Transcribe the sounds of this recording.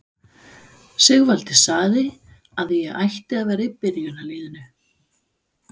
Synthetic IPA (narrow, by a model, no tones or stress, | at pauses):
sɪɣvalt̪ɪ̥saɣðɪ | aðjɛɣajht̪ɪaðvɛːɾipɪɾjʏnaliːðʏnʏ